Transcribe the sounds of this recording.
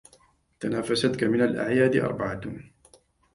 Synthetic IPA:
t̪anaːfasat̪kamɪnalʔa̰ʕjaːd̪ɪʔɑ̰ɾˤbaʕat̪n

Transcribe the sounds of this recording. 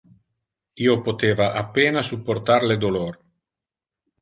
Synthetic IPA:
iopot̪eːvaʔapeːnasupːoɾt̪aɾled̪olor

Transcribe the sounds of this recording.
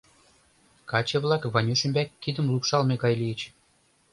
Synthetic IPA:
kɑt͡ɕĕβlˠɑkvɑnʲyʃɘ̆mʲbʲækʲːid̪ə̆mlˠukʃɑlmʲeɡɑjlʲijə̆t͡ɕ

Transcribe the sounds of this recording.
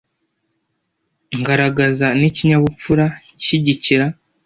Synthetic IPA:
ŋɡaɾaɡazaniciɲaβup͡fuɾa | iɟiciɾa

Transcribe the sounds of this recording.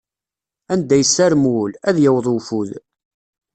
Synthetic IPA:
ænd̪æjəsːæɾmwulæðjəwðˤufuð

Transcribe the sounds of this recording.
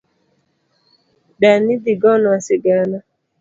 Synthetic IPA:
danidiɡɔnʊasɪɡana

